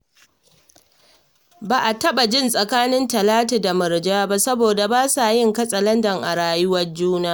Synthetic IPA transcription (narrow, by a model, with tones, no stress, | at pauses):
baː˨ʔa˨tɐ˦ɓa˨d͡ʒɪ˦˨nsʼɐ˨kaː˦nɪ˦ntɐ˨laː˦taː˨da˨mɐ˨ɾd͡ʒaː˦ba˦sɐ˦boː˨da˨baː˦saː˨jɪ˦ŋkɐ˦sʼɐ˨lɐ˦ndɐ˨ŋʔa˨ɽaː˨jʊ˦wɐ˦rd͡ʒuː˦naː˦